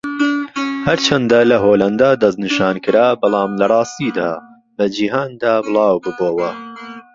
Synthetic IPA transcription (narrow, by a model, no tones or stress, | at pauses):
hɐɾt͡ʃʰɐnd̪ɐlɐɦoːlɐnd̪aːd̪ɐznɨʃaːnkɨɾaːbɨlˠɑːmlɐrˤɑːst̪iːd̪aː | lɐd͡ʒiːɦaːnd̪aːbɨlˠɑːwbɨboːwɐ